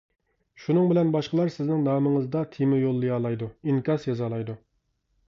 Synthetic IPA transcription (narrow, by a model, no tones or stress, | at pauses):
ʃunɨŋbɪlɛnbɑʃqəlˠɑɾsɪznɪŋnɑːməŋəzd̪ɑt̪ʰimɪjolˠːɨjɑːlˠɑjd̪uiŋkʲɑsjɑzɑlˠɑjd̪u